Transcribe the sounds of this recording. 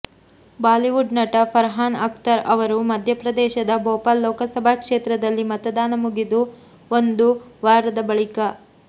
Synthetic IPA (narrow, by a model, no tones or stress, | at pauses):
baːliʋuɖnɐʈɐpʰɐɾɦaːnɐk̚t̪ɐɾɐʋɐɾumɐd̪ʱjɐpɾɐd̪ɛːʃɐd̪ɐboːpalːoːkɐsɐbʱakʂeːt̪ɾɐd̪ɐlːimɐt̪ɐd̪aːnɐmuɡid̪u | ond̪uʋaːɾɐd̪ɐbɐɭikɐ